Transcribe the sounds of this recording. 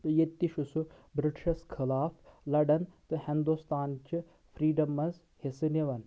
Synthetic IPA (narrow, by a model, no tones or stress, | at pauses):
t̪ɨjet̪ʲːiʃusu | bɾɪʈʃɐskʰilaːfʰlɐɖɐnt̪ɨhind̪ust̪aːnt͡ʃi | pʰɾiːɖɐmɐz | hesɨniʋɐn